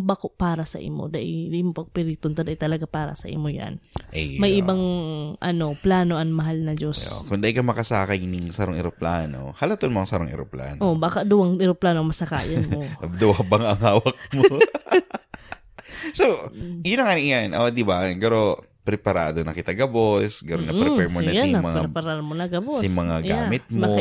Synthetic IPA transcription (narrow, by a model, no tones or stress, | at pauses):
bakopaːɾɐsɐʔɪ̰mo̰d̪aʔɪd̪iʔmopɐɡ̚pɪɾit̪ʊnt̪ɐd̪ajt̪ɐlɐɡapaːɾɐ̰sɐʔḭmoja̰nʔɛmɐjʔɪbaŋʔɐno̞plaːno̞ʔɐŋmɐɦalnɐd͡ʒoskʊŋd̪ɐʔɪkɐmɐkɐsaːkɐjnɪŋsɐɾoŋɪɾoplaːno̰hɐlɐt̪onmoɐŋsɐɾoŋɪ̰ɾopla̰ːnoʔobaːkɐd̪ʊwɐŋʔɪɾoplaːnoɐmɐsɐka̰ːjɐnmoɐbd̪ʊwabɐŋʔɐŋhaːwɐk̚mo | sojʊnɐŋɐnŋjanʔod̪ɪbaɡɐɾo | pɾɛpɐɾa̰ːd̪onɐkɪt̪ɐɡɐbosɡɐɾonːɐpɾɛpɛɹmoɐjaɐmɐŋpaɾɛpɐɾaɾmonɐɡɐbosɪmɐŋaɡaːmɪt̪̚mɐoɐ